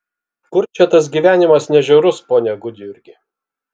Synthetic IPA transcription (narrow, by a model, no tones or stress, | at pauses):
kʊɾt͡ʃʲɛt̪ɐs̬ɡʲiːʋʲæːnʲɪmɐsnʲɛʒʲɛʊɾʊspoːnʲɛɡʊd̪ʲɪjʊɾʲɡʲɪ